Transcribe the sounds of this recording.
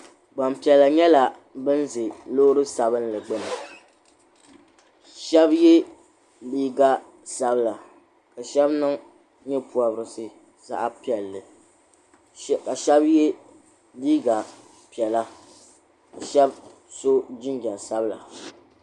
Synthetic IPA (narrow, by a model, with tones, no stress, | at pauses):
ɡ͡ba˨mpi˨ɛ˨lːa˨ɲɛ˦la˨ | bɨ˦n˦zɨ˨lo˦ɾɨ˦sa˨bɨ˦nlɨ˨ɡ͡bɨ˦nɨ˨ | ʃɛ˦bjɛ˦ | liː˦ɡa˦ | sa˦bla˨ | ka˨ʃɛ˦bnɨ˦ŋ | ɲɛ˦pu˨a˨bɾɨ˨sɨ˦ | za̰˦ʔa˦pi˨ɛ˨lːɨ˨ | ka˨ʃɛ˦bjɛ˦ | liː˦ɡa˨ | pi˨ɛ˨la˦ | ka˨ʃɛ˦b | so˦d͡ʒɪ˦nd͡ʒa˨sa˦bɨ˦la̰˨